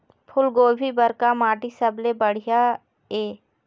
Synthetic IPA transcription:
pʰʊlɡoːɾbibəɾkamaːʈisəblebəɽ̤ɪjaː | eː

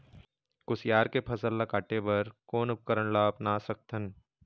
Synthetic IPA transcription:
kʊsjaːɾkepʰɐsəlːakaːʈebɐɾkoːnʊp̚kəɾəɳlaːbnasɐk̚t̪ʰən

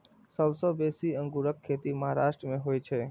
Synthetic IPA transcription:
səwsobesiə̃ŋɡuɾəkʰːet̪iməɦaɾaʃʈɾəmẽɦojt͡ʃʰe

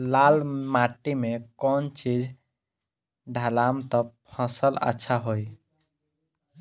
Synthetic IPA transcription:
lalmaʈimekɔnt͡ʃid͡ʒʱ | ɖʱalamt̪ɔpʰəsələ̰tːʃʰaɦoj

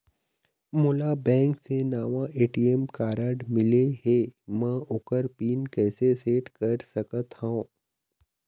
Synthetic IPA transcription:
mʊlabɛ̃ːŋksenaːʋãʔeːʈiemkaːɾəɖmɪleɦeːmɛ̃ʊkəɾpiːnkɛːseseːʈkɐɾsɐkət̪hãː

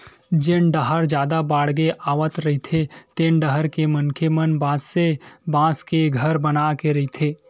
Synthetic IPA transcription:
d͡ʒɪnɖəɦəɾd͡ʒjaːd̪abaːɽɡeʔaːʋət̪ɾɐɦit̪ʰet̪eːnɖəɦəɾkemɐnkʰemənbãːsːebãːskeɡʱəɾbɐnakeɾɐɦit̪ʰeː

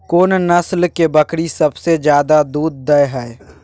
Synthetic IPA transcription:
koːnnɐslkebɐkɽisɐbsed͡ʒjaːd̪ad̪uːd̪̚ːəjɦɛe

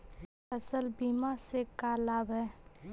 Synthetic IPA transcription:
əsəlbiːmasekalaːbɦɛː

